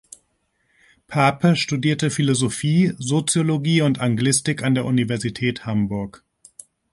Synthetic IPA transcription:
pʰaɐpʰəʃtudiːɐtəfilozofiːzot͡sjoloɡiːʊntaŋɡlɪstɪkandeːɐʔunivɛɐzitʰɛːthambʊɐk

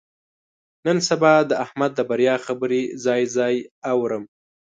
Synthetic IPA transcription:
nənsabɑd̪əahmad̪ːəbaɾjɑxabəɾizɑjzɑjawɾəm

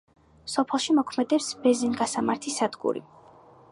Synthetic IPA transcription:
sɔpʰɛlˠʃimɔkʰmɛd̪ɛpsb̥ɛzinɡasamaɾt̪ʰisad̪̥ɡṵɾḭ

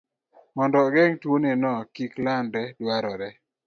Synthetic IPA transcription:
mɔndɔɡɛŋtwonenɔkiklanɾɛdwaɾɔɾɛ

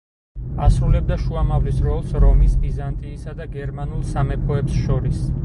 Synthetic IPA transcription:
a̰sɾulɛb̚d̪aʃuamavlisɾɔlˠsɾɔmisbizant̪ʼiːsad̪aɡɛɾmanulˠsamɛpʰɔɛpsʃɔɾis

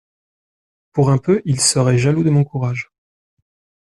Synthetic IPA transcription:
puʁɛ̃pøʔilsəʁɛʒalud̪əmɔ̃kuʁaʒ

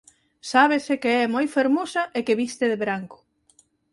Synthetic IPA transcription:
saβesekeɛmojfeɾmosɐʔekeβist̪ɪðeβɾaŋkʊ̥

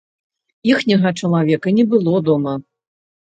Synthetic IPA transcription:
ixnʲɐɣɐt͡ʂɐlˠavʲɛkɐnʲɛbɨlˠɔd̪ɔmɐ

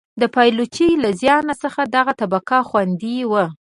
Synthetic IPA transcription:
d̪əpɑjlut͡ʃijlazjɑnasəxad̪aɣat̪abakaxwand̪iwə

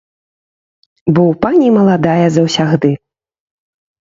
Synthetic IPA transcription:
bɔwpanʲimɐlˠad̪ajɐzɐwsʲaɣd̪ɨ

